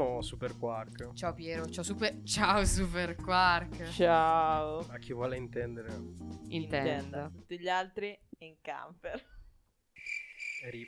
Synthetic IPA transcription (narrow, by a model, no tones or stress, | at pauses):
osuperkwarkt͡ʃaopjɛːɾot͡ʃaosupet͡ʃaosuperkwarkt͡ʃaoak̟ːivwɔːleint̪ɛnd̪eɾeint̪ɛɛnd̪at̪ut̪ːiʎalt̪ɾiiŋka̰mpeɾ | ɾi